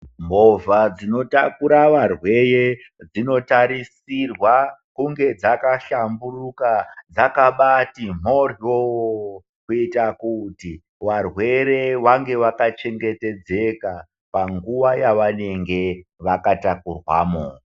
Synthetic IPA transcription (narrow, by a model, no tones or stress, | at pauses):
movad͡zino̞takuɾaʋarwe̞je | d͡zino̞taɾisirwakuŋɡe̞d͡zakaʃamburukad͡zakaɓatim̤o̞riowo | kuitakuti | ʋarwe̞ɾe̞ʋaŋɡe̞ʋakat͡ʃe̞ŋɡe̞te̞d͡ze̞ka | paŋɡuʋajaʋane̞ŋɡe̞ʋakatakurwa̰ːmo̰